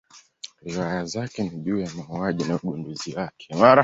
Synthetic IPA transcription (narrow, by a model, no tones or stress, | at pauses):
ɾiwajazakɛniʄuːjamaɦuaʄinauɡunduziwakʰɛmaɾa